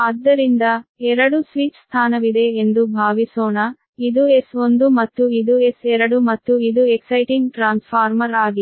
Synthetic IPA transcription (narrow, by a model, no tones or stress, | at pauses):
ɐd̪ːɐɾind̪ɐɛɾɐɽusʋiːt͡ʃst̪ʰaːnɐʋid̪eːend̪ubʱaːʋisoːnɐ | id̪uesond̪umɐt̪ːuid̪uesɛɾɐɽumɐt̪ːuid̪ueksɐjʈiŋɡʈɾaːnspʰaːɾmɐɾaːɡi